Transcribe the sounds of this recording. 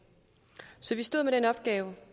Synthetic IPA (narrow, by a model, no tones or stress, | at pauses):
sɒ̽ʋisd̥o̝ð̞̰ˠmeɾenəɒ̽b̥̚ɡ̥ɛːʊ